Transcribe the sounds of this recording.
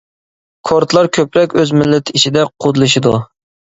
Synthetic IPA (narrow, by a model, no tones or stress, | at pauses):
kʰoɾt̪lˠɑɾkʲʰøpɾɛkʲøzmɪlːɪt̪ʰit͡ʃid̪ɛqʰod̪ɨlˠɨʃid̪u